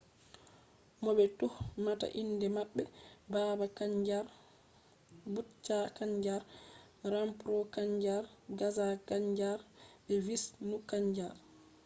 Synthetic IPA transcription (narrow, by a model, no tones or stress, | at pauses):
mɔbɛtuhmata̰ʔindɛmaɓːɛbaːbakad͡ʒaɾ | but͡ʃːakaɲd͡ʒaɾ | ɾampɾɔkaɲd͡ʒaɾɡazakaɲd͡ʒaɾɛvisnukaɲd͡ʒaɾ